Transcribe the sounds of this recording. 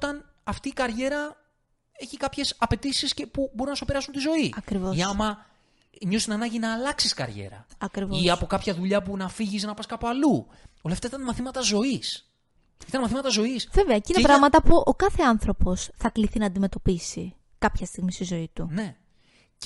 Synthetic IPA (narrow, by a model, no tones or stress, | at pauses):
t̪ɐn | ɐft̪iːkɐɾʝe̞ɾɐ | e̞çikɐpçe̞sɐpe̞t̪isisce̞pubo̞ɾunɐsopeɾɐsunt̪izo̞iɐkɾivo̞isɐmɐ | ɲost̪inɐnɐɲɟinɐːlɐksiskɐ̰ɾʝḛɾɐ̰ɐkɾivoiɐpo̞kɐpçɐðuʎɐpunɐfiʝiznɐpɐskɐpoɐlu | oleft̪ɐsit̪ɐnmɐθimɐt̪ɐzo̞is | it̪ɐnmɐθimɐt̪ɐzo̞isve̞ve̞ɐcinepɾɐɣmɐt̪ɐpuʔo̞kɐθe̞ɐnθɾo̞po̞sθɐkliθinɐːnd̪ime̞t̪o̞pisi | kɐpçɐst̪iɣmist̪izo̞it̪une̞